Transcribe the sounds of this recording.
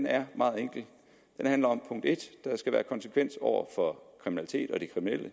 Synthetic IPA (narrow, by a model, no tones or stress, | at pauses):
næɐmɑ̈ːð̩ˠeŋ̰ɡ̥l̩ | d̥enhænlɐɒ̽mpʰɔ̽ŋ̰d̥e̝d̥d̥ɑ̈sɡ̥æʋæːɐkʰɒ̽nsə̥kʰʋen̰sɒʊ̰ɐfɒ̽kʰʁiminælit͡sʰe̝̰ːd̥ɒ̽d̥ikʰʁiminelʔə